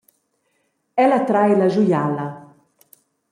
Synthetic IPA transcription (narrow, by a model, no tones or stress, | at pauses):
ɛlat̪ɾajlaʒujala